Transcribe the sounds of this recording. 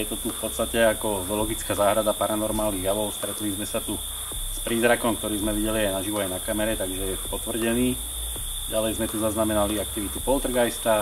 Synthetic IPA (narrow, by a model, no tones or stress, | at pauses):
jɛt̪ɔt̪ufpɔt̪st̪acɛakɔzɔlɔɡit͡skaːzaːɦɾad̪apaɾanɔɾmaːlniɣjaʋɔʊst̪ɾɛt̪lizmɛsat̪u | spɾiːzɾakɔmkt̪ɔɾiːzmɛʋiɟɛliajnaʒiʋɔajnakamɛɾɛt̪aɡʒɛjɛpɔt̪ʋr̩ɟɛniː | ɟalɛjzmɛt̪uzaznamɛnaliakt̪iʋit̪upɔlt̪r̩ɡajst̪a